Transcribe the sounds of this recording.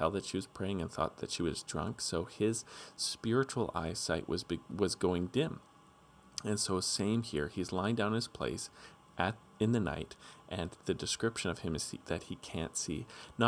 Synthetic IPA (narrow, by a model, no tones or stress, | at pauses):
ɛlˠðɨtʃiwʌz̥pʰɹ̥eɪɪ̃ŋɨ̃nθɔ̰t̪̚ðɨ̰tʃiwʌzdɹʌ̰̃ŋksoʊɪz̥spɪɹɨt͡ʃul̩ˠa̰ɪsaɪʔwʌzwʌzɡoʊɪ̃ŋdɪ̃m | ɨ̃nsoʊsẽɪ̃mhḭɹizlãɪ̃ŋdãʊ̃nɨz̥pʰl̥ḛɪs | ʔɨɾ | ɨ̃nðɨna̰ɪɾʔɨ̃nðɨdɨskɹ̥ɪpʃɨ̃ñʌv̥ɨ̃mɨz̥ðɨt̚hikʰæ̰̃ntsḭnə